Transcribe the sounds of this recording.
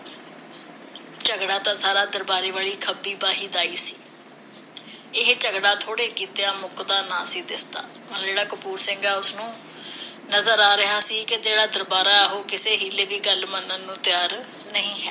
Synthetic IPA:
t͡ʃəɡɽaːt̪ãːsaːɾaːd̪əɾbaːɾeːʋaːɭiːkʰəbiːbaːɦiːd̪aːiːsi̥ː | ɪɦt͡ʃəɡɽaːt̪ʰoːɽeːkiːt̪eːãːmʊkd̪aːnã̰ːsiːd̪ɪst̪a̰ː | əd͡ʒeːɽaːkəpuːɾsɪ̃ŋɡaːʊsnũː | nəzəɾaːɾɪɦaːsiːkɪd͡ʒeːɽaːd̪əɾbaːɾaːɛɦoːkɪseːɦiːleːʋiːɡəlmənənːũːt̪ɪjaːɾ | nəɦĩːɦɛː

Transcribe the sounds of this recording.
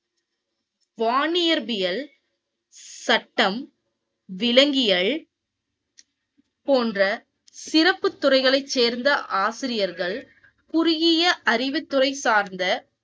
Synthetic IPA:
ʋaːnɪjɐɾbɪjɐl | sɐʈːɐm | ʋɪlɐŋɡɪjɐɭ | poːndrɐ | sɪɾɐpːɯt̪ːʊrɐɪɣɐɭɐɪt͡ʃt͡ʃːeːɾnd̪ɐʔaːsɪɾɪjɐɾɣɐɭ | kʊɾʊɣɪjɐʔɐɾɪʋɯt̪ːʊrɐɪsaːɾnd̪ɐ

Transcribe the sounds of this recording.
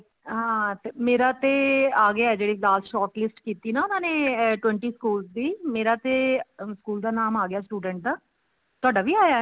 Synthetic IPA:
ɦãːt̪emeːɾaːt̪eːaːɡeɛːd͡ʒeːɽiːɡaːsʃɔːʈlɪsʈkiːt̪iːnaːʊnãːneːʈwɛ̃ːɳʈiːskuːlsd̪iːmeːɾaːt̪eːskuːld̪aːnaːmaːɡɪjaːsʈuːɖə̃ɳʈ̚d̪aː | t̪oaːɖaːʋʱiːaːjaːɛː

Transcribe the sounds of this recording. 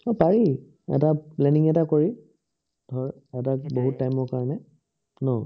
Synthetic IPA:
ɔpaɹi | ɛ̰taplɛniŋɛtakoɹi | dʱɔɹ | ɛtakboɦutːajmɔɹkaɹɔnɛ | nɔ

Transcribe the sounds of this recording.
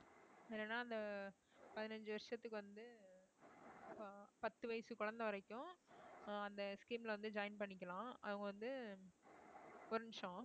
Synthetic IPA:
ɛlːenːaːɐnd̪ɐ | pɐðɪnɐɲd͡ʒɯʋɐɾɪʂɐt̪ːɯkːɯʋɐnd̪ɯ | pɐt̪ːɯʋɐjsɯkʊɻɐnd̪ɐʋɐɾɐɪkːʊ̃ | ɐnd̪ɐskiːmlɐʋɐnd̪ɯd͡ʒɐːjɪnpɐɳːɪk̬ʲːɐlãːɐ̰ʋɐŋɡɐʋɐnd̪ɯ | ɔɾɯnʂɔ̃ː

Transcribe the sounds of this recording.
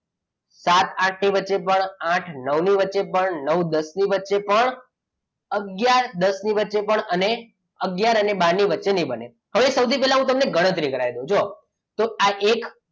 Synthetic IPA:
sat̪ãʈʰniʋətːʃepəɳãʈʰnəwniʋətːʃepəɳnəwd̪əsniʋətːʃepəɳ | əɡjaɾd̪əsniʋətːʃepəɳəne | əɡjaɾənebaɾniʋətːʃenibənḛ | ɦəʋesəwt̪ʰipɛɦlaɦũt̪̬əmneɡəɽ̃ə̃t̪ɾikəɾajd̪õd͡ʒo | t̪oaʔek

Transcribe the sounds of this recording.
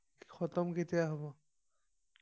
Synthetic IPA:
xɔt̪ɔmketijaɦɔbɔ

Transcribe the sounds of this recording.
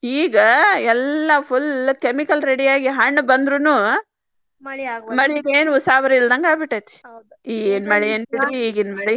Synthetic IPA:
iːɡɐɛlːɐpʰulkemikɐlɾeɽijaːɡiɦɐɳːbɐnd̪ɾunu | mɐɭieːnuusaːʋɐɾɐild̪ɐŋɡaːbiʈːɐt̪i̥ | iːɡeːnmɐɭienbiʈɾiiːɡinmɐɭi

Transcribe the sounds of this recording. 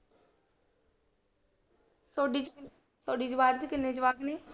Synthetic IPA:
soːɖiːt͡ʃ | soːɖiːd͡ʒəʋaːɾt͡ʃkɪnːeːd͡ʒəʋaːkneː

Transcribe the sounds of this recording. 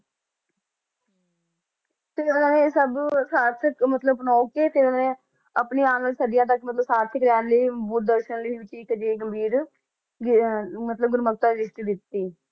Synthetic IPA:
t̪eːʊnãːneːsəbsaːt̪səkmət̪ləbpənɔːkeːt̪eːʊnãːnẽː | əpniːaːnəːlsəɖɪjãːt̪̬əkmət̪ləbsaːt̪səkɾɛːnliːbud̪̚d̪əɾʃənləːʋɪʈːiːkəd͡ʒeːɡəmbʱiːɾ | mət̪ləb̚ɡʊɾmək̚t̪aːɾɪd͡ʒɪʃʈid̪ɪt̪ːiː

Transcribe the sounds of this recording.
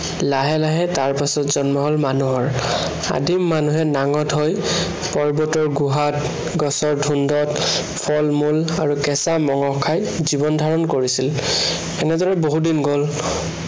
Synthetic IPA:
laɦɛlaɦɛtaɹpasɔtz̥ɔnmɔɦɔlmanuɦɔɹ | a̰dʱimːanuɦɛnaŋɔtɦoj | pɔɹbɔtɔɹɡuɦat | ɡɔsɔɹdʱundɔt | pʰɔlmulaɹukɛsamɔŋɔkʰːajzibɔndʱaɹɔnkoɹisil | ɛnɛdɔɹɛboɦudinɡɔl

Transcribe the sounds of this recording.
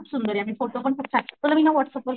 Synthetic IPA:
psund̪əɾjamiːfoʈop̬əɳkuk̚t͡sat̪ulamiːnaʋəʈsəpʋəl

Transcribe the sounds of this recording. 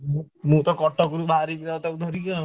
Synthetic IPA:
mũːt̪ɔkɔʈɔɡuɾubʱaɾibid̪at̪ɔud̪ʱɔɾika

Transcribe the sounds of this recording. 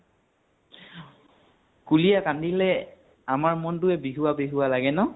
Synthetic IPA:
kulijakandilɛ | amaɹmɔntʊɛbiɦuwabiɦuwalaɡɛnɔ

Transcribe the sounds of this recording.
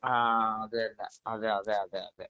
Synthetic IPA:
aːɐðɨɐlːɐɐðeɐðeɐðeɐ̰ðe

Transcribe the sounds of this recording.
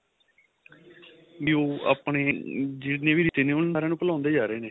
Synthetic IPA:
ʋiːoːa̰ːpɳeːd͡ʒɪʈnẽːʋiːɾit̪eːneːʊnaːɾẽːnũːpəlãːnd̪eːd͡ʒaːɾəeːneː

